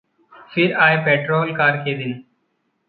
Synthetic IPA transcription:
fiɾaːjpeʈɾoːlkaːɾkeːd̪ɪn

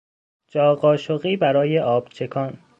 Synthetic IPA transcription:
d͡ʒɒːɣɒːʃoɣiːbæɾɒːjeʔɒːb̥t͡ʃʰe̞kʰɒːn

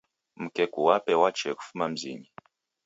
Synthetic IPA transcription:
m̩kɛkuwapɛwat͡ʃɛku̥fumam̩zḭɲi

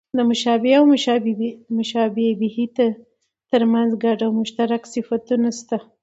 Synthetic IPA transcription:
d̪əmʊʃɑbɪawmʃbmʊʃɑbebɪhit̪a | t̪əɾmanzɡaɖawmʊʃt̪aɾaksɪfat̪unast̪a

